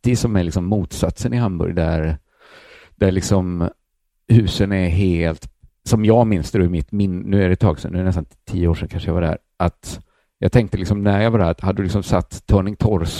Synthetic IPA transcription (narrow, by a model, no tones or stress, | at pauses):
ɪsɔmælɪksɔmːuːt̪sat̪sənɪɦambɵ̰ɾjd̪æɾ | d̪̥æɭɪksɔm | hʉ̟ːsənɛɦeːlt̪ | sɔmjɑɡmɪnsd̪oɛmɪt̪mɪnnʉ̟ːæɖɛt̪ʰɑːɡsɛnːʉːɾɛnɛst̪ant̪ʰiːəoːʂɛnkʰanʂəjɑvad̪æ̰ɾ | ʔat̪ | jɑɡt̪ʰɛŋk̚t̪əlɪksɔmnæɾjɑɡvaɖæt̪had̪əːd̪ɵlɪksɔmsat̪ːʰœːɳɪŋt̪ʰɔɾs